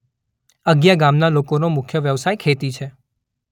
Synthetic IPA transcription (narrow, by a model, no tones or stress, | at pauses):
əɡjaɡamnalokonomʊkʰːjəʋjəʋsajkʰet̪it͡ʃʰe